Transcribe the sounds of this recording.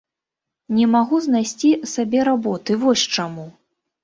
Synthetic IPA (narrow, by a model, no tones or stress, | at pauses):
nʲɛmaɣuznajsʲt͡sʲisabʲɛɾabɔt̪ɨvɔsʲt͡ʂamu